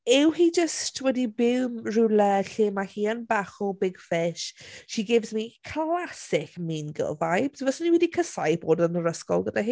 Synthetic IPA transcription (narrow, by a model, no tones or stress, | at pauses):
ɪwhid͡ʒəstʰwɛdibɪwmrulɛɬɪːmahiːənbaχɔbɪɡ̥fɪʃʃiɡɪvzmikʰlasɪkmiːnɡə̰lˠvajb̥svɔsəniwɛdikʰəsajboːdənəɾəskɔ̰lˠɡədaɦiː